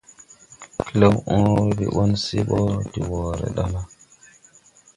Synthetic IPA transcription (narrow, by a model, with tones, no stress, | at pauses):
ki˦le˦wʔõ˦ɾbi˨ɓo˦nsi˦ɓɔ˦ti˨wo˨ɾḛ˨ɗa˦la˦